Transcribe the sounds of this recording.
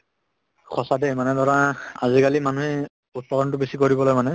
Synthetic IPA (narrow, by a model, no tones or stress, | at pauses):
xʰɔsademanɛdʱɔɹaazikalimanuhɛ | ut̚pɔɾɔntʊbesikoɹibɔlojmanɛ